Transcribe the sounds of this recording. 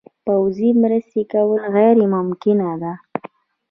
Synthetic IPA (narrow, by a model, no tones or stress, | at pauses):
pawzimɾəst̪ekawəlɣajɾemʊmkɪnad̪a